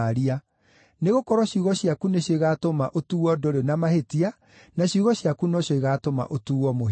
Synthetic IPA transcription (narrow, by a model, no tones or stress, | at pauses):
ɾia | neɣokɔɾɔɕuɣɔɕjakuneɕjoiɣatomaʔotuɣwɔdoɾenamahetia | naɕiuɣɔɕjakunoɕoiɣatoma̰ʔotuːɔmo